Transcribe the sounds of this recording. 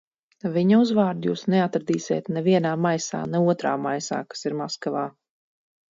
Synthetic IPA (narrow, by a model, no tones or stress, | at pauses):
viɲauzvaːɾd̪juːsnɛat̪ɾd̪iːsʲḛːt̪nɛviɛnaːmajsa̰ːnɛuɔt̪ɾa̰ːmajsa̰ːkḁsiɾmaskavaː